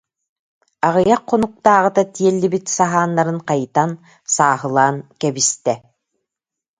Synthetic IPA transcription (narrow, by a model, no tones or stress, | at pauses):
aʁɯjaqʰːɔnuq̚t̪aːʁɯt̪at̪iɛlːibit̪saɦaːnːaɾɯnqajt̪an | saːɦɯlˠaːnkɛbist̪ɛ